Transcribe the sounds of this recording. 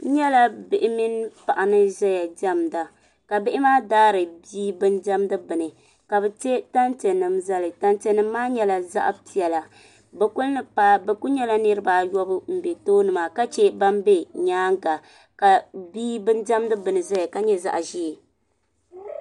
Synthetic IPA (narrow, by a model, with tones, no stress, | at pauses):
ɲɛ˦la˨bɪ˨ʔɪ˦mi˦n˦pa˨ʔa˨nɨ˦ʒɛ˦ja˨d͡ʒa˦mda˨ | ka˨bɪ˦ʔɪ˦maː˦daː˦ɾɨ˨biː˦bɨ˦nd͡ʒa˦mdɨ˦bɨ˨nɨ˨ | ka˨bɛ˨te˦ta˦ntɛ˨nɨ˨mza˦lɨ˨ta˦ntɛ˨nɨ˦mː˦aː˦ɲɛ˦la˨za̰˦ʔpi˨ɛ˨la˨ | bɛ˨ku˦lnɨ˦pa˦bɛ˨ku˦ɲɛ˦la˦nɨ˦ɾɨ˦baː˨jɔ˦bɨ˦m̩˨bɛ˨toː˦nɨ˨ma˨ka˦t͡ʃe˦ba˦mbe˦ɲaː˦ŋɡa˨ | ka˨biː˦bɨ˦nd͡ʒa˦mdɨ˦bɨ˨nɨ˨zɛ˦ja˨ka˦ɲɛ˦za̰˨ʔʒi˦e˨